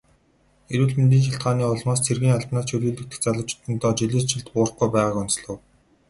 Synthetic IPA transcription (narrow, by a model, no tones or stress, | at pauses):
eɾuːɮment̪̬iːnʃ̬aɬt̪̚ɢaːniːʊɮmaːst͡sʰerɣiːŋaɮpnaːt͡ɕʰɵɾuːɮɘ̆kt̪ɘ̥̆t͡saɮə̆wt͡ɕʰɪ̥t̪ɘ̆nt̪ɔːt͡ɕiɮeːt͡ɕʰɪ̆ɮt̪pʊːrə̆χɡujpæːʁaːkʊnt͡sɮə̆w